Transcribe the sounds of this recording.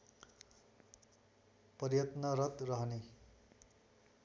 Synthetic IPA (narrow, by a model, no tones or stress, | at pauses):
pʌrjʌt̪nʌɾʌt̪rʌɦne